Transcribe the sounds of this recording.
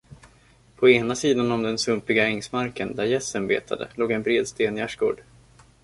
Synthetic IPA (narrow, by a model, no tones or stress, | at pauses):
pʰɔeːnasiːd̪anɔmd̪ɛnsɵmpɪɡaɛŋsmaɾkənd̪æɾjɛsːənbḛːt̪ʰa̰d̪ə̰loːɡɛnbɾeːd̪st̪eːnjæʂɡo̰ːɖ